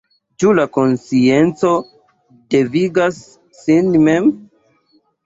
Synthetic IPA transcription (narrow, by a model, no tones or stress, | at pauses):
t͡ʃulako̞nsie̞nt͡so̞ | deviɡasː | inmem